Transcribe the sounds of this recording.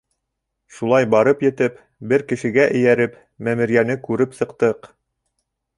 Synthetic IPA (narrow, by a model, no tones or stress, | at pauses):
ʃulˠɑjbɑɾɤpjɘ̆t̪ɘp | bɘɾkɘ̆ʃɘ̆ɡæʔɘ̆jæɾɘp | mæmɘ̆ɾjænɘkʉɾɘpsɤ̆qt̪ɤq